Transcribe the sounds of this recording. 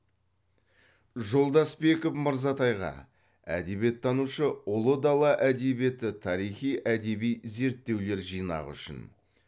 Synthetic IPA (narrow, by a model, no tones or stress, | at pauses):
ʒo̞lˠd̪ɑsbe̞kofməɾzɑt̪ɑjʁɑ̰ | æ̰d̪e̞bie̞t̪ʰːɑnuʃəʊlˠəd̪ɑlˠɑʔæd̪e̞bie̞t̪ɪt̪ʰɑɾijχijʔæd̪e̞bijze̞ɾt̪ːe̞wle̞ɾʒijnɑ̰ʁʏ̰ʃɪ̰n